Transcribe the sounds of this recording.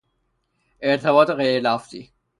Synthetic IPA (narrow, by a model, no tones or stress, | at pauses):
eɾt̪ʰebɒːt̪eɣejɾelæft̪ḭː